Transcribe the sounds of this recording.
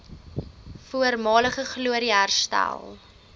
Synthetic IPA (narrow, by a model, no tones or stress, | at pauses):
fuərmɑːləχəχluəɾiærstæ̰lˠ